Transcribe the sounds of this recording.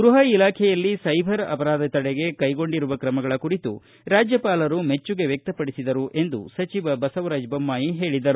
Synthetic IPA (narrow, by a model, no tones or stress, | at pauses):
ɡɾuɦɐilaːkʰɛjɐlːisɐjbʱɐɾɐ̰pɐɾaːd̪ɐt̪ɐɽeɡe̞kɐjɡo̞ɳɖiɾuʋɐkɾɐmɐɡɐɭɐkuɾit̪u | ɾaːd͡ʒjɐpaːlɐɾume̞t͡ʃːuɡe̞ʋjek̚t̪ɐpɐɽisid̪ɐɾuʔe̞nd̪ṵsɐt͡ʃiʋɐbɐsɐʋɾaːd͡ʒbɐmːaːjiɦe̞ːɭid̪ɐɾu